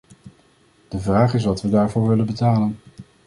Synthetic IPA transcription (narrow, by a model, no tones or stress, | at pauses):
d̥əvraːχɪsʋɑtʋədaːɹvʊːɹʋɪlənbətaːlən